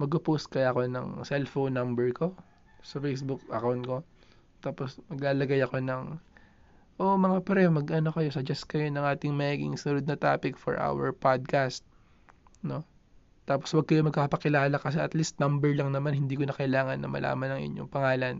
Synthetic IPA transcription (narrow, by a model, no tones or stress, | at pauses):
mɐɡʊposkɐjɐko̞nɐ̰ŋsɛlfownːɐmbɛɹko̞ | sɐfejsbʊk̚ʔɐkawnt̪̚ko̞ | t̪aːpo̞smɐɡlaːlɐɡajɐko̞nɐŋ | ʔomɐŋapɐɾɛmɐɡʔɐnokɐjosɐd͡ʒɛst̪̚kɐjonɐŋʔaːt̪ɪŋmɐiːɡɪ̰ŋsnɾod̪̚nɐt̪a̰ːpɪkfo̰ɹʔa̰wɛ̰ɹpad̪̚kast̪̚ | no̞ | t̪aːposwɐɡ̚kɐjomɐɡ̚paːpɐkɪlaːlɐkɐs̬ɛʔɐt̪list̪̚nɐmbɛɹlɐŋnɐmanhɪnd̪iːkonɐkɐɪlaːŋɐnːɐ̰mɐ̰lʔa̰ːmɐnɐŋʔɪ̰ɲːo̰ŋpɐŋaːlɐn